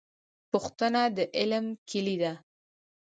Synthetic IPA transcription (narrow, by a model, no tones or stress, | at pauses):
pʊxt̪ənad̪əʔɪlmkʰɪlid̪a